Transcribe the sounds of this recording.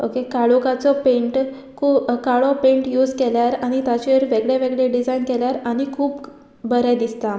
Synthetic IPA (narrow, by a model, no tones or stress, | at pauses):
okekaɭokat͡sɔpẽɳʈ | kʰuːkaɭɔpẽɳʈjuːd͡zkɛljaɾaɽ̃it̪at͡ɕeɾʋeɡɭeʋeɡɭeɖid͡zajnkɛljaɾaɽ̃ikʰuːp | bəɾɛd̪ist̪a